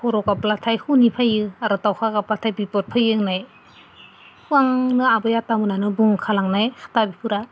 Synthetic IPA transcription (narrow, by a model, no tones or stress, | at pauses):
pʰɔɾɔkaplatʰajhunipʰajɯaɾɯtawkʰakaplatʰajbipɔt̚pʰajɯnaj | huaŋnɯabɯjatamɯnanɯbuŋkʰalaŋnajhʰḁtabipʰɯɾa